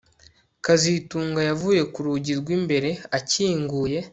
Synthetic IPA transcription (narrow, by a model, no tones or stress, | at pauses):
kazituːŋɡajavuːje̞kuɾuɟiɾɡwimbe̞ɾe̞aciːŋɡuːje̞